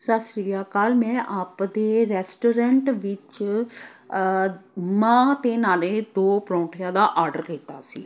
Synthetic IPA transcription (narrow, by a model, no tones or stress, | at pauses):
səsɾiːjaːkaːlmɛ̃ːʔaːpd̪eːɾɛːsʈoːɾɛɳʈʋɪt͡ʃ | mãːt̪eːnaːleːd̪oːpɾõːʈʰɪjãːd̪aːʔaːɾɖəɾkiːt̪a̰ːsḭː